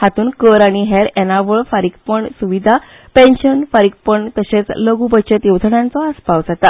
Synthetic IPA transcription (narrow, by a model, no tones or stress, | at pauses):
hat̪uːnkəɾaɽ̃iɦɛɾɛnaʋəɭfaɾik̚pəɳsuʋid̪ʱa | pẽnɕənfaɾik̚pəɳt̪əɕet͡sləɡubət͡ɕet̪jewd͡zʰəɳjãnt͡sɔəspaʋd͡zat̪a